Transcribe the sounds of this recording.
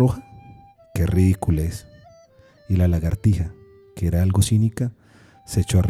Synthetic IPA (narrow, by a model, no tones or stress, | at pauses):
oxa | keriðikulaes | ilalaɣaɾt̪iha | keeɾaalɡosinika | set͡ʃoar